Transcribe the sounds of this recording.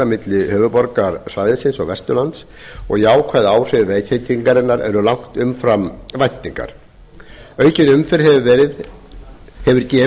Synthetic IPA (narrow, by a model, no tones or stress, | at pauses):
amɪt̪lɪhœːvʏpɔɾkaɾsvaːjðɪsɪnsɔɣvɛst̪ʏlant̪s | ɔ̰ɣjaːwkʰvajðaːwr̥ʏvveːðcʰejt̪ʰiŋkaɾɪnaɾɛ̰ɾʏlawŋ̥t̪ʏmfɾamvajt̪ːiŋka̰ɾ̥ | œːɥcɪnʏmfɪɾ̥hɛvɛɾɪð | hɛvʏɾcɛː